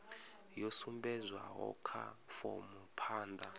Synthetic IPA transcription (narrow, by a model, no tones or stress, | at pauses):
jɔsumbɛzʷwa̰ɦɔ̰kʰa̰fɔ̰mupʰaːnda